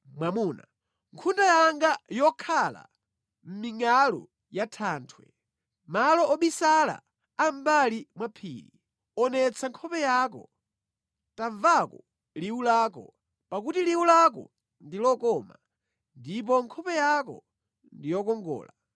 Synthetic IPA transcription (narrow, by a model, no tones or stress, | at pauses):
mwamuna | ŋkʰundajaŋɡajɔkʰala̰ | m̩miŋalɔ̰ | jatʰaːntʰwɛ̰ | malɔɔɓisala̰ | ambalimwapʰḭːlḭ | ɔnɛt͡sʰaŋkʰɔpɛjakɔ | tavakɔ | liulaːkɔ | pakutiliulakɔ̰ | ndilɔkɔma | ndip̬ɔŋkʰɔpɛjakɔ̰ | ndijɔkɔŋɡɔ̰ːla